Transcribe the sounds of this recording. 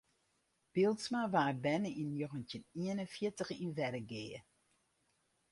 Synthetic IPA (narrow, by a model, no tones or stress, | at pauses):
b̥ɪlˠtsmaʋaːbɛnəʔinjoɣəntjəniənənfjɪtəxinʋɛdəɡeːə